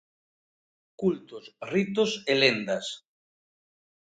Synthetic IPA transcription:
kult̪osrit̪oselend̪as

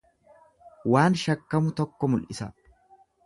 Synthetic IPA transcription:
waːnʃɐkːɐmʊt̪ɔkːɔmʊlʔɪsɐ

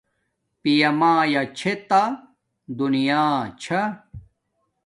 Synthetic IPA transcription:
pijɐmaːjat͡ɕʰet̪a | d̪unijaːt͡ɕʰɐ

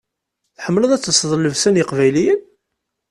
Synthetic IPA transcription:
θħəmːləðˤæt͡sːəsˤðˤlːəvsænjəqvæjlijən

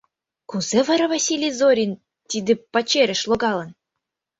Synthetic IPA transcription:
kuzevɤ̆ɾɤ̆vɑsʲilʲizoɾʲin | t̪ʲid̪ʲɘ̆pɑt͡ɕeɾʲɘ̆ʃlˠoɡɑlˠɤ̆n

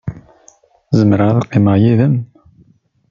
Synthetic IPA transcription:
zəmɾaðuqːiməjiðəm

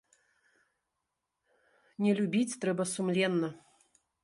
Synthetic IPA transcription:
nʲɛlʲubʲit͡sʲt̪ɾɛbɐsumlʲɛnːɐ

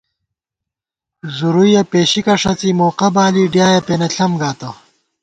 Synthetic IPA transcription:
zuɾujɐpeːɕikɐʂɐt͡simoːqɐbaːliɖjaːjɐpeːnɐɬʰɐmɡaːt̪ɐ

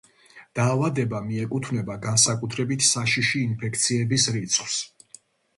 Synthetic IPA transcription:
d̪̥aːvad̪ɛbamiɛkʼut̪ʰvnɛbaɡansakʼut̪ʰɾɛbit̪ʰsaʃiʃiːnpʰɛk̚ʰt̪sʰiɛbisɾit̪sʰχws

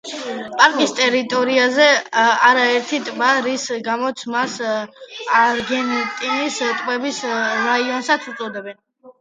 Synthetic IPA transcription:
pʼaɾkʼist̪ʼɛɾit̪ʼɔɾiazɛaɾaɛɾt̪ʰit̪ʼbaɾisɡamɔt̪sʰmas | aɾɡɛnt̪ʼinist̪ʼmɛbisɾaiɔnsat̪sʰut̪ʼɔd̪ɛbɛn

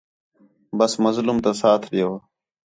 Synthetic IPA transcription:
bəsməzlumt̪asaːt̪ʰɾɪjoː

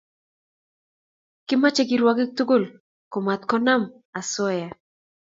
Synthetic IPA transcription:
kimat͡ʃekiɾwakik̚t̪ukʊl | komat̪kɔnam | asɔja

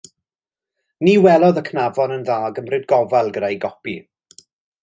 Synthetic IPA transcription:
niːwɛlˠɔðəkʰnavɔnənðaːɡəmrɪd̚ɡɔvalˠɡədajɡɔpi

